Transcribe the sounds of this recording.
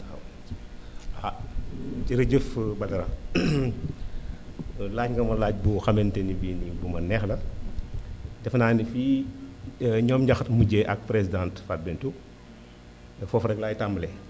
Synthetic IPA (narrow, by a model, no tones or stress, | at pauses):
w | a | ɟiɾəɟəfbɐdɐɾɐ | laːcŋɡɐmɐlaːc̚buxɐmɛntenibiːnibumɐnɛxlɐ | dɛfnaːnifiː | ɲɔːmɲɟaxtmuɟeʔɐk̚pɾesidãːntfat̚bɛntu | fɔfɾɐklaːjtamblɛ